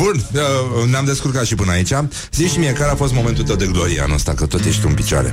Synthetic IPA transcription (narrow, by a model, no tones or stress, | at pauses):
bunəneamd̪e̞skurkat̪ʃipɨnəait͡ʃʲa | ziʃimie̞kaɾeafo̞st̪mo̞ment̪ult̪əwd̪e̞ɡlo̞ɾiea̰no̰st̪akət̪o̞t̪je̞ʃt̪uɨnpit͡ʃoa̰ɾe̞̰